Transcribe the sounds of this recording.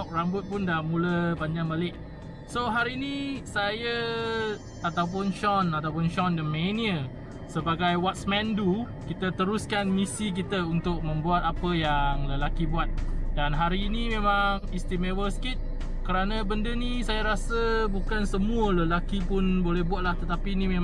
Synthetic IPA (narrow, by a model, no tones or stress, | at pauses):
k̚rambʊt̪̚pʊndamuləbaɲd͡ʒaŋbalɪʔ̚ | soɦaɾiːnisajə | at̪awp̬ʊnʃɔnat̪awpʊnʃɔndəmẽniə | səbaɡajwɔt̪̚smɛ̃ndu | kit̪ət̪əɾuskanmisik̬it̪əunt̪ʊk̚mə̃mbuat̪̚apəjaŋləlakibuat̪̚danɦaɾiːnimẽmaŋist̪imewəskit̪̚ | kəɾanəbəndənisajəɾasəbukansəmuələlakipʊnbolɛhbuat̪̚laht̪ət̪apinimẽ